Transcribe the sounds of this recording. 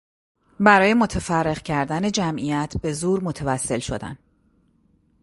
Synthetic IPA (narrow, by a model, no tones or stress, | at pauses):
bæɾɒːje̞mo̞t̪ʰefærːe̞ɣcʰæɾd̪æne̞d͡ʒæmʔijæt̪ʰbe̞zuːɾmo̞t̪ʰevæsːe̞lʃo̰d̪æ̰n